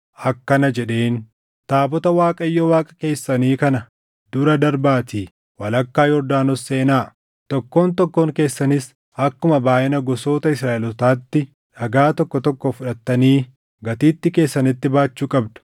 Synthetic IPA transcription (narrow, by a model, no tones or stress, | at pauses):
ʔɐkːɐnɐd͡ʒɛᶑe̞ːn | t̪aːbɔt̪ɐwaːkʼɐjːɔwaːkʼɐ̥ke̞ːsːɐniːkɐnɐ | d̪̥ʊɾɐd̪ɐɾbaːt̪iː | wɐlɐkːaːjɔɾd̪aːnɔsːeːnaː | t̪ɔkːo̞ːnt̪ɔkːo̞ːŋke̞ːsːɐnɪs | ɐkːʊmɐbaːʔɪnɐɡɔso̞ːt̪ɐɪsɾaːʔɪlɔt̪aːt̪ːɪ | ᶑɐɡaːt̪ɔkːɔt̪ɔkːofʊᶑɐt̪ːɐniː | ɡɐt̪iːt̪ːɪke̞ːsːɐnɪt̪ːɪbaːt͡ʃːuːkʼɐbd̪ʊ̥